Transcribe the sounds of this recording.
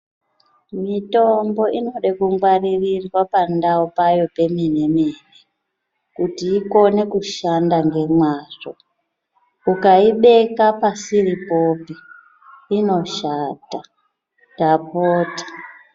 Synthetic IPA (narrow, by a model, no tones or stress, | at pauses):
mito̞mbo̞ino̞ɗekuŋɡwaririrwapandaupajo̞pe̞minemiːne | kutiːko̞ne̞kuʃandaŋɡe̞mwaːʐo | ukaiɓe̞kapasiripo̞pi | ino̞ʃata | dapoːtḁ